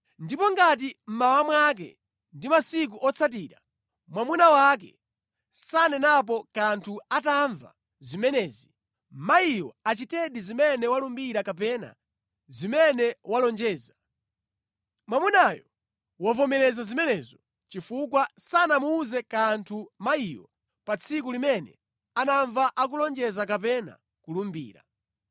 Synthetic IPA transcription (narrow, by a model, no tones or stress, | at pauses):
ndipɔŋɡat̬im̩mawamwak̬ɛ̰ | ndimasik̬uʔɔt͡sʰat̬iːɾa | mwamunawak̬ɛ̰ | sanɛnap̬ɔkantʰuataɱva̰ | zimɛnɛːzi | maijɔat͡ʃitɛɗizimɛnɛwalumbiɾakap̬ɛna̰ | zimɛnɛwalɔnd͡ʒɛːza | mwamunajɔ | wɔvɔmɛɾɛzazimɛnɛzɔ | t͡ʃifukwasanamuːzɛkantʰumaijɔ | pat͡sʰik̬ulimɛnɛ̰ | anaɱvaʔak̬ulɔnd͡ʒɛzak̬ap̬ɛna̰ | kulumbḭːɾa̰